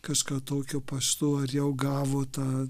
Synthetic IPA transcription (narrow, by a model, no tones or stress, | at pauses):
kɑʃkɑːt̪oːkʲʊpɐst̪uːɐrjɛʊɡɑːʋoːt̪ɑː